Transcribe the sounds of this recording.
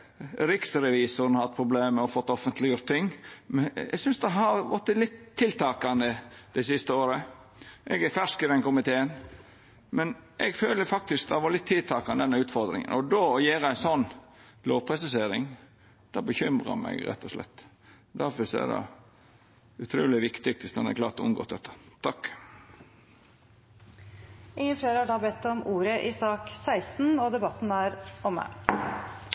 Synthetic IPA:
ɾɪksɾɛʋiːsʊɾnɑhɑt̪̚ːpʰɾʊbleːməɔfɔt̪ːɔfənt̪lɪjʊɾt̪t̪ːɪŋːmɛ̰ɡsʏnsd̪ɛɦɑɾʋɔt̪ːəlɪt̪ʰːɪlt̪ʰɑːkɑnd̪əd̪̥ɛɪsɪst̪əoːɾə | ʔɛɡæɾfæʂkɪd̪ɛnkʊmɪt̪ʰeːən | mɛnʔɛɡføːləfɑk̚t̪ɪsk̚d̪ɛhʋɑɾlɪt̪ʰːɪlt̪ʰɑːkɑnd̪ɛnːəʉːt̪fɔɾd̪ɾɪ̰ŋə̰nʔɔd̪oːɔjeːɾəæɪnsɔnː | loːʋpʰɾɛsəseːɾɪŋ | d̪̥ɑːbəçʏmɾɑ̰mæ̰ɡɾɛ̰t̪ːɔʂlɛ̰t̪ː | d̪æɾfɔsɔæ̰d̪ɑ̰ | ʉt̪ʰɾuːlɪʋɪkt̪ɪɡ̚t̪ɪst̪ɑnɛ̰klɑːɾt̪ɔʊ̰nɡo̰ːt̪d̪ɛt̪ʰːə̥t̪ʰɑkː | ɪŋːənfleːɾhɑɖɑːbɛt̪ːɔmʔuːɾəʔɪsɑːksæɪst̪n̩ɔd̪ɛbɑt̪ːn̩æːɾɔmæ̰

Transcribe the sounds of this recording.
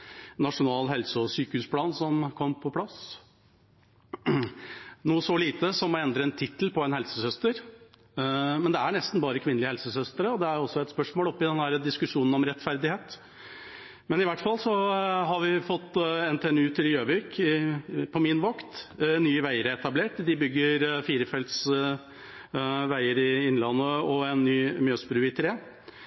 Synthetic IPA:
nɑʂʊnɑːlɦɛlsəɔsyːkəhʉːspʰlɑːnsɔmkʰɔmːpʰɔpʰlɑs | nuːəsɔliːt̪əsɔmːɔɛnd̪ɾəɛnt̪ʰɪt̪əl̩pɔɛnhɛlsəsœst̪əɾ | mɛnd̪ɛæɳɛst̪n̩bɑːɾəkʰʋɪnːlɪəhɛlsəsœst̪əɾəɔd̪ɛæɾɔsːɔɛt̪spœʂmoːlɔpːɪd̪ɛnd̪æɾəd̪ɪskʉʂuːnn̩ɔmɾɛt̪fæɾd̪ɪheːt̪ | mɛnɪʋæʈːfɑlːsɔɦɑɾʋɪfɔt̪ːɛnt̪ʰeɛnʉːt̪ʰɪljøːʋɪk | pʰɔmɪnʋɔkt̪nyːəʋæɪəɾəɛt̪ɑbleːʈd̪ɪbʏɡːəɾfiːɾəfɛlt̪s | ʋæɪəɾɪɪnlɑnːəɔɛnːyːmjøːsbɾʉːɪt̪ʰɾeː

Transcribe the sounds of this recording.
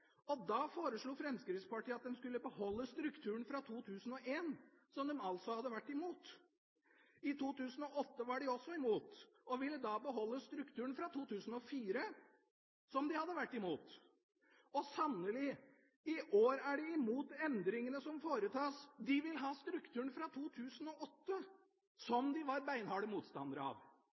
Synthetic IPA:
ɔd̪ɑfoːɾəʂɭuːfɾɛmskɾɪt̪spɑʈiːɑt̪̚d̪ɛnskʉlːəbəhɔlːəst̪ɾʉkt̪ʰʉːəɳ̩fɾɑt̪ʰuːt̪ʰʉːsənɔʔeːnsɔmd̪ɛmɑlt̪sɔhɑd̪ːəʋæʈːɪmuːt̪ | ɪt̪ʰuːt̪ʉːsən̩ɔʔɔt̪ːəʋɑɖɪɔsːɔɪmuːt̪ | ɔʋɪlːəd̪ɑbəɦɔlːəst̪ɾʉkt̪ʰʉːəɳ̩fɾɑt̪ʰuːt̪ʰʉːsn̩ɔfiːɾə | sɔmd̪ɪhɑd̪ːəʋæʈːɪmuːt̪ | ɔsɑnəlɪ | ɪʔoːɾæɖɛɪmuːt̪ɛnd̪ɾɪŋənəsɔmfoːɾət̪ʰɑːsd̪ɪʋɪlɦɑːst̪ɾʉkt̪ʰʉːəɳ̩fɾɑt̪ʰuːt̪ʰʉːsənɔʔɔt̪ːə | sɔmd̪ɪʋɑɾbæɪnhɑːɽəmuːt̪st̪ɑ̰nd̪əɾəɑ̰ʋ

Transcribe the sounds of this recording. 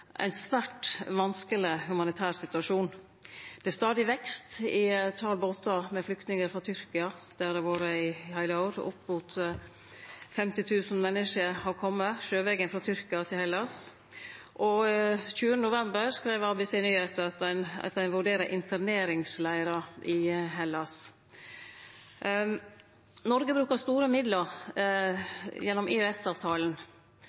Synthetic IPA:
ʔæ̰ɪnsʋæːʈʋɑnskəlɪhʉmɑnɪt̪ʰæːɾsɪt̪ʉɑʂuːn | d̪̥ɛst̪ɑːd̪ɪʋɛkst̪ɪt̪ʰːɑɾboːt̪ʰːɑmɛflʏkt̪nɪŋəɾfɾɑt̪ʰʏɾkɪɑd̪̥æd̪ɛʋoːɾəɪhæɪlɑʊɾʊ̰pːmuːt̪ | fɛmt̪ɪt̪ʰʉːsn̩mɛnːəʂəɾhɑɾkʰɔmːəʃøːʋɛɡənfɾɑt̪ʰʏɾkɪɑt̪ʰɪlhɛlɑs | ʔɔçʉːənənʊʋɛmbəɾskɾeɪːʋɑɾbɛseːnyːheːt̪ɑt̪æɪnɑ̰t̪æɪnʋʉɖeːɾəʔɪnt̪ʰəɾneːɾɪŋslæɪɾɑʔɪɦɛlːɑs | nɔɾɡəbɾʉːkəɾst̪uːɾəmɪd̪ləɾ | jɛnːɔmeœɛsɑːʋt̪ʰɑːln

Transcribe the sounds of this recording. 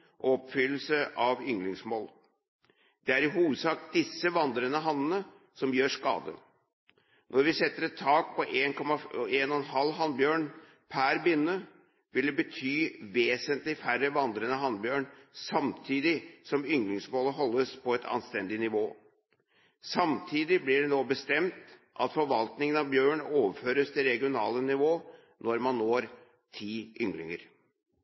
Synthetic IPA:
ʔɔɔpfʏlːəl̩səʔɑʋʏŋlɪŋsmoːl | d̪̥ɛæɾɪɦuːʋəd̪sɑːkd̪̥ɪsːəʋɑnd̪ɾənəɦɑnːənə | sɔmjøːʂkɑ̰ːd̪ə̰ | nʔɔɾʋɪsɛt̪ːəɾɛt̪ʰːɑːk̚pʰɔʔeːnkʰɔmɑeːnɔɛnɦɑlːɦɑnbjøːɳ | pʰæɾbʏnːə | ʋɪld̪ɛbət̪ʰyːʋeːsənt̪lɪfærəʋɑnd̪ɾənəɦɑnbjøːɳsɑmt̪ʰiːd̪ɪsɔmʏŋlɪŋsmoːləɦɔlːəspʰɔɛt̪ʰɑ̰nst̪ɛnd̪ɪnɪʋoː | sɑmt̪ʰiːd̪ɪblɪɖɛnoːbəst̪ɛmt̪ | ʔɑ̰t̪fɔɾʋɑlt̪nɪŋənɑʋbjøːɳoːʋəføːɾəst̪ʰɪlɾɛɡɪʊnɑ̰ːlənɪʋoː | nɔɾmɑnːoːɾ | t̪ʰiːʔʏŋɡɾɪ̰ŋəɾ

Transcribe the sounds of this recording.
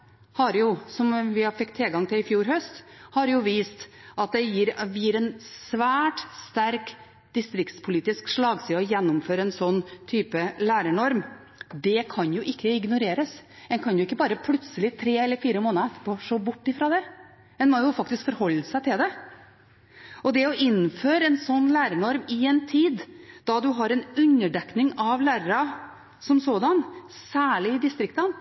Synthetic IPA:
hɑɾjʊsɔmʋɪhɑɾfɪkt̪ʰːɛlɡɑŋt̪ʰɪlɪfjuːɾhœst̪hɑɾjʊʋiːst̪ʔɑt̪̚d̪ɛjiːɾʋjiːɾɛnsʋæːʈst̪æɾk | d̪̥ɪst̪ɾɪkt̪spʰʊliːt̪ɪskʂɭɑːɡsiːɔjɛnːʊmføːɾəɛnsɔnːt̪ʰyːpəlæːɾəɳɔɾm | d̪ɛkʰɑnjʊʔɪkːəɪɡnʊɾeːɾəsɛnkʰɑnjʊɪkːəbɑːɾəpʰlʉt̪səlɪt̪ʰɾeːɛlːəɾfiːɾəmoːnəɛt̪ːə̥poːʂoːbʊʈːɪfɾɑːd̪ɛ | ɛnmoːjʊfɑk̚t̪ɪskfɔɾhɔlːəsæɪt̪ʰɪld̪ɛ | ʔɔd̪ɛɔʔɪnːføːɾɛnsɔnːlæːɾəɳɔɾmɪɛnt̪ʰiːd̪d̪̥ɑd̪ʉɦɑɾɛnʉnːəɖɛknɪŋɑʋlæːɾəɾɑ | sɔmsoːd̪ɑnsæːɭɪɪd̪ɪst̪ɾɪkt̪ən

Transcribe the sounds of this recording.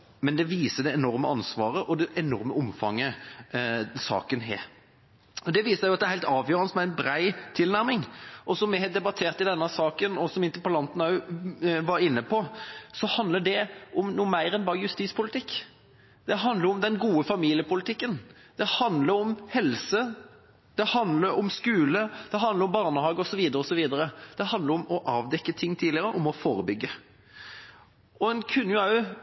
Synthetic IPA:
mɛnd̪ɛʋiːsəd̪ɛɛnɔɾməɑnsʋɑːɾəʔɔd̪ɛʔɛnɔɾməɔmfɑŋːə | sɑ̰ːkənɦḛː | ɔd̪ɛʋiːssæɪjʊɑt̪d̪ɛɾhæɪlt̪ɑːʋjøːɾənəsmɛɪnbɾæɪt̪ʰɪlnæɾmɪŋʔɔsɔmjɛhɛɪt̪d̪ɛbɑt̪ʰeːʁt̪ɪd̪ɛnːəsɑːkənɔsɔmɪnt̪əɾpɑlɑnt̪n̩ɑʉʋɑɾɪnːəpʰɔsɔhɑnd̪ləɖ̪ɛʔɔmnuːmæɪɾɛnbɑːɾjʉst̪iːspʰʊlɪt̪ʰɪkː | d̪̥ɛɦɑnd̪ləɾɔmd̪ɛnɡuːəfɑmiːlɪəpʊlɪt̪ɪkːən | d̪̥ɛhɑnd̪ləɾɔmhɛlsə | d̪̥ɛhɑnd̪ləɾɔmskʉːləd̪̥ɛɦɑnd̪ləɾɔmbɑʁnəhɑːɡɔsɔʋiːd̪əɾəɔsɔʋiːd̪əɾəd̪̥ɛhɑnd̪ləɾɔmɔʔɑːʋd̪ɛkːət̪ʰɪŋːt̪ʰiːlɪəɾəʔɔmɔfoːɾəbʏɡːə | ɔɛnkʰʉnːjʊɑʉ

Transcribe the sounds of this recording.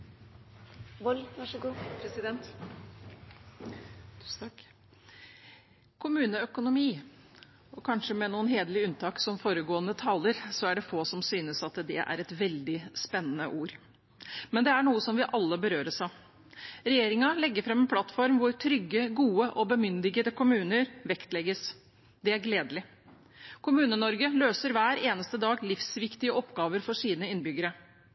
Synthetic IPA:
ʋɔlʋɑʂɡupʰɾɛsɪd̪ɛnt̪ | kʰʊmʉːnəœkʊnʊmiː | ɔkʰɑnʂəmɛnuːənɦeːd̪əlɪʉnt̪ʰɑːksɔmfoːɾəɡoːənət̪ʰɑːləɾsɔæɖɛfoːsɔmsyːnəsɑt̪d̪ɛʔæ̰ɾɛt̪ʋɛld̪ɪspɛnːənəʔuːɾ | mɛnd̪ɛæɳuːəsɔmʋɪʔɑlːəbəɾøːɾəʂɑ | ɾɛjeːɾɪŋɑlɛɡːəɾfɾɛmːɛnpʰlɑt̪fɔɾmʋʊɾt̪ʰɾʏɡːəɡuːəʔɔbəmʏnd̪ɪɡəd̪əkʰʊmʉːnəɾʋɛkt̪lɛɡəs | d̪ɛæɾɡleːd̪lɪ | kʰʊmʉːnənɔɾɡəløːsəɾʋæːɾeːnəst̪əd̪ɑːɡlɪfsʋɪkt̪ɪəʔɔpːɡɑːʋəɾfɔʂiːnəɪnbʏɡəɾə

